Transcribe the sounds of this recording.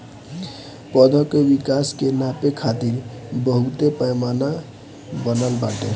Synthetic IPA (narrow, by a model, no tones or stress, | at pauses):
pɔd̪ʱəkebikaskenapekʰat̪iɾbəɦut̪epəjmana | bənəlba̰ʈe